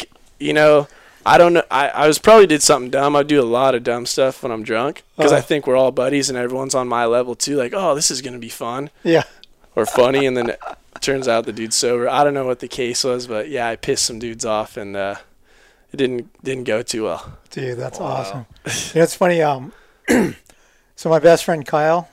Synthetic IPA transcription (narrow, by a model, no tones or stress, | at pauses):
jɨnoʊ | ʔaɪɾõʊ̃nːoʊʔa̰ɪʔa̰ɪwʌz̥pʰɹ̥ɑbəblidɨd̥sʌ̃mθɪ̃ŋdʌ̃maɪdɨəlɔɾʌdʌ̃mstʌfwə̃ñãɪ̃mdɹʌ̃ŋkʰʌzaɪθɪ̃ŋkwə˞ɔlˠbʌɾizɨ̃nɛvɹiwʌ̃nzn̩maɪlɛvl̩ˠtʰʉlaɪkoʊðɪsɨzɡʌnɨbifʌ̃njæ | ə˞fʌñiɨ̃nðɨ̃nɨ̰t̚ | tʰɜ̃˞nzaʊt̪̚ðɨdʉd̥soʊvə˞aɪɾõʊ̃nːoʊwʌt̪̚ðɨkʰeɪswʌzbʌʔ̚jæaɪpʰɪstsʌ̃mdʉdzɔfɨ̃nʌ | ɨt̚d̥ɪdⁿn̩d̥ɪdⁿn̩ɡ̥oʊtʰʉwɛ̰lˠd̥ɨðætsɔsə̃mɨnoʊɨtsfʌniʌ̃m | soʊmaɪbɛstfɹɛ̃n̚kʰaɪl̩ˠ